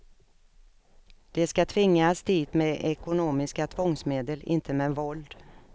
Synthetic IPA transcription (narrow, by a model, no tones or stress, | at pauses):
d̪̥ɛskat̪ʰvɪŋːasd̪iːt̪meʔɛkʊnoːmɪskat̪ʰvɔŋsmeːd̪əlɪ̰nt̪əmevɔld̪